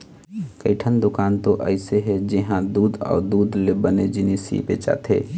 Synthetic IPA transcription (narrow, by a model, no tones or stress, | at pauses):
kəɪʈʰənd̪ʊkaːnt̪oʔə̰ɪseɦed͡ʒɪɦãd̪uːd̪ɔ̰ːɾd̪uːd̪lebəned͡ʒinisḭpet͡ʃa̰ːt̪ʰḛː